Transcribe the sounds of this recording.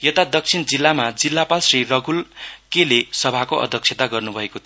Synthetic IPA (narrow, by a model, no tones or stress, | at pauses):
jʌt̪ad̪ʌk̚t͡sʰind͡zilːamad͡zilːapalsrirʌɡʱulkelesʌbʱakoʔʌ̰d̪ʱʌk̚t͡ʃʰet̪aɡʌrnubʱʌekot̪ʰ